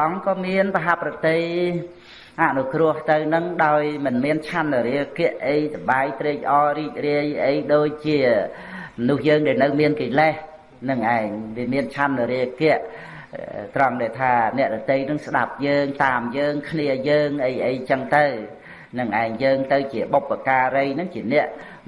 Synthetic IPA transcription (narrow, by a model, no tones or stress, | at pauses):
ʔɑŋkɑːmiənpaɦaprɑt̪ɨj | ʔaʔnukrʊ̆əht̪ɨwnɨŋɗaɔjmɨnmiənt͡ɕʰanːɨɾiəkɛ̆əʔʔəjsəɓaːjt̪reːk̚ʔɑːriːk̚riəjʔəjɗoːc̚t͡ɕiə | mnuhjəːŋɗaɛlnɨwmiənkiːleh | nɨŋʔaɛŋʋiəmiənt͡ɕʰanːɨɾiəkɛ̆əʔ | t̪rɑŋɗaːlt̪ʰaːnɛ̆əʔɗɔt̪ɨjnɨŋsɗap̚jəːŋt̪aːmjəːŋkʰniəjəːŋʔəjʔəjt͡ɕəŋt̪ɨw | nɨŋʔaɛŋjəːŋt̪ɨwt͡ɕiəɓopːakaːɾɨjnɨŋt͡ɕiənɛ̆əʔ